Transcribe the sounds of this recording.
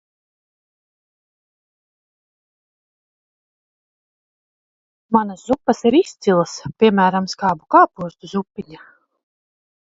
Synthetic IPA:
manaszupːɐsiɾist̪silˠaspʲiɛmæːɾamskaːbukaːpuɔst̪uzupːiɲa

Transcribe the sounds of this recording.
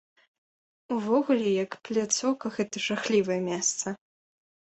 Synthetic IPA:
uvɔɣulʲɛjɐkplʲat̪sɔwkɐɣɛt̪ɐʐaxlʲivɐjɛmʲɛst̪sɐ

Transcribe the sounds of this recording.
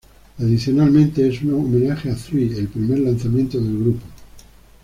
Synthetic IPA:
aðiθjonalmẽ̞nt̪e̞esunoome̞naxeaθɾielpɾime̞ɾlan̟θamjẽ̞nt̪oðe̞lɣɾupo

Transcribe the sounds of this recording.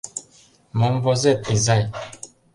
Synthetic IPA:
mɔmvɔzɛtezaj

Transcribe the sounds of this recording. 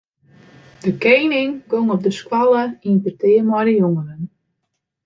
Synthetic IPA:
dəkejnɪŋkoŋɔp̚dəskwɔlˠəinpətɪːəmɔdəjoŋənən

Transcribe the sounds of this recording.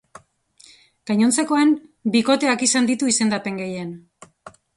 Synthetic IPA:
ɡ̥ajɲo̞nt͡seko̞enbiko̞t̪e̞akisand̪it̪uise̞nd̪ape̞ŋɡe̞jen

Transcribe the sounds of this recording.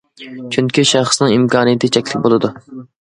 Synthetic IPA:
t͡ʃʰyŋkʲiʃɑχsnɨŋimkʰɑːnɨjɪt̪ʰɪt͡ʃʰɛkʲlʲɪkʲbolˠɨd̪u

